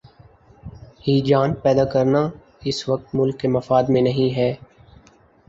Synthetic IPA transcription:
hiːd͡ʒaːnpɛːd̪akɐɾna | ɪsʋɐk̚t̪mʊlkːemɐfaːd̪mẽnɐɦĩɦɛː

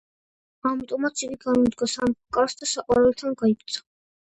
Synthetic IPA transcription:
amit̪ʼɔmat̪sʰiɡiɡanud̪ɡɔsamkʼaɾsd̪asaqʼwaɾɛlt̪ʰanɡaipʰt̪sʰḁ

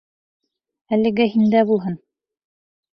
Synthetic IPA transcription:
ælɘ̆ɡɘhind̪æbulˠɦɤn

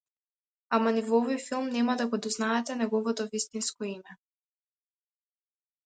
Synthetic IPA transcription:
amanivɔɔvɔjfilˠmnɛmad̪aɡɔd̪ɔznaɛt̪ɛnɛɡɔvɔt̪ɔvist̪inskɔimɛ

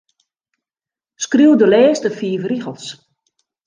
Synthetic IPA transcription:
skriwdəlɛːstəfiːvriɣəlˠs

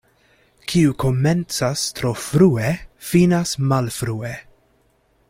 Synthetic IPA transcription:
kʰiukʰoment͡sastɾofɾuefinasmalfɾue

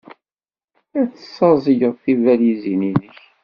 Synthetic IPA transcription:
æt͡sːə̥sˤːɑzˤəʝəðˤθivæljizininəç

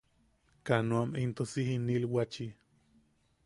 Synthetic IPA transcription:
kanoamint̪osihinilwat͡ʃi

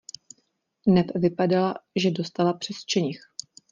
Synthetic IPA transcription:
ɦnɛpvɪpadalaʒɛdo̞st̪alapr̥ɛst͡ʃɛɲɪx

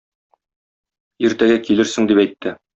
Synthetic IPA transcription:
iɾt̪æɡækilɘɾsɘ̆ŋd̪ipæjt̪ːɘ

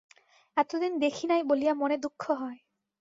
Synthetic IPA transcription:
ɛt̪od̪ind̪ekʰinajbolijamɔned̪ukʰːɔɦɔe

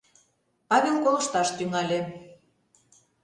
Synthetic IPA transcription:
pɑβʲelkolə̆ʃt̪ɑʃt̪yŋɑlʲe

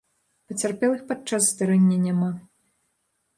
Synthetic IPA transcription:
pɐt͡sʲarpʲɛlˠɨxpat͡ʂasːd̪aɾɛnʲːɐnʲama

